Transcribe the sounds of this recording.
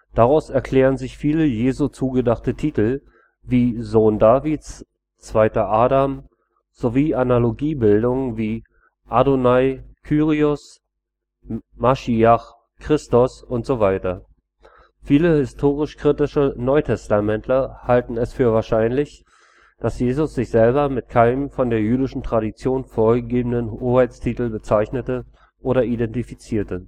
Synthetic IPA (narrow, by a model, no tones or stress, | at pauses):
d̥aʁaʊsɛɐkʰl̥ɛːʁ̞ənzɪçfiːləjeːzut͡suːɡədaχtətʰiːtl̩ | viːzoːndaːviːt͡s | t͡sv̥aɪtɐʔaːdam | z̥oviːanaloɡiːbɪldʊŋviː | ʔadonaɪkʰyːʁiʊs | maʃiaχ | kʁ̥ɪstʊsʔʊntz̥ovaɪtɐ | fiːləhɪstʰoːʁ̞ɪʃkʁ̥itɪʃənɔʏtʰɛstamɛntʰlɐhaltn̩ɛsfyːɐvaːɐʃaɪnlɪç | d̥asjeːzʊsz̥ɪçz̥ɛlbɐmɪtkʰaɪnəmfɔndeːɐjyːdɪʃn̩tʁ̥aɾit͡sjoːnfoːɐɡəɡeːbən̩ənhoːhaɪt͡stʰiːtl̩bət͡saɪçnətə | ʔoːɾɐidɛntifit͡siːɐtə